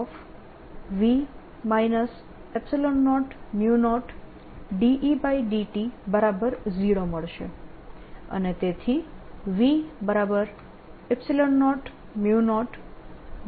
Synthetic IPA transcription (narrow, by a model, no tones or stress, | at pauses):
f | ʋi | mainəs | epsilonːɔʈmjunɔʈ | ɖiʔibaiɖiʈibəɾabəɾd͡ʒiɽoməɭʃḛ | ə̰net̪et̪ʰiʋibəɾabəɾ | ɛpsilɔnːɔʈ | mjunɔʈ